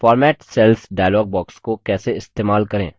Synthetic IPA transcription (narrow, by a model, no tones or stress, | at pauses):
fɔːɾmɛːʈsɛlsɖaːjlɔːɡ̚bɔːkskokɛːseɪst̪eːmaːlkɐɾḛ̃ː